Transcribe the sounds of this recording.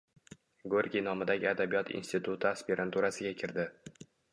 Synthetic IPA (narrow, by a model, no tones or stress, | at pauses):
ɡoɾʲɡʲinɒmɪd̪aɡʲɪad̪abijɒt̪ʰḭnst̪ɪt̪ʰʊt̪ʰʊaspeɾant̪ʰuɾasɪɡʲakʲʰɪɾd̪ɪ